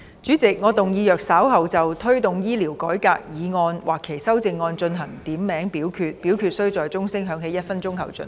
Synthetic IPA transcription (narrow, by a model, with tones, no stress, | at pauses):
t͡ʃyː˨˥t͡sɪ˨k̚ŋɔː˨˧t̪ʊ˨ŋjiː˨˧jœː˨k̚saː˨˥wɦɐ˨wt͡sɐ˨wt̪ʰɵ˥ɥt̪ʊ˨ŋjiː˥liː˨˩wkɔː˨˥jkaː˧k̚jiː˨˧ŋɔː˧nwaː˨˩kʰːe˨˩jsɐ˥wt͡sɪ˧ŋːɔː˧nt͡ʃɵ˧nɦɐ˨˩ŋt̪iː˨˥mmɛː˨˥ŋpiː˨˥wkʰyː˧t̚piː˨˥wkʰyː˧t̚sɵ˥wt͡sɔː˨jt͡sʊ˥ŋsɪ˥ŋɦœː˨˥ŋɦe˨˥jɐ˥t̚fɐ˥nt͡sʊ˥ŋɦɐ˨wt͡sɵ̰˨˧˩n